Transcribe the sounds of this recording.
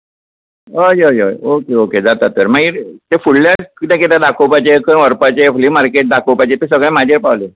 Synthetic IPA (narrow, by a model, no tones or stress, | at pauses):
əjəjəjokeoked͡zat̪at̪ːəɾmaɡiːɾt̪efuɽlãkit̪ɛ̃ket̪ãd̪akʰowpajt͡ɕekənʋəɾpat͡ɕeflimaɾkeʈ̚d̪akʰopajt͡ɕet̪es̬əɡɭɛ̃mad͡ʑeɾpawle